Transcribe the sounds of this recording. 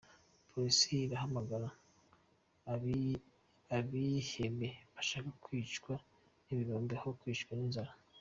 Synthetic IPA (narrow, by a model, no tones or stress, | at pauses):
pʰoɾisiːɾahamaɡaɾa | aβiheme̞βaʃaːkakwiːt͡ʃkwa | niβiɾoːmbhokwiːt͡ʃkwaninzaɾa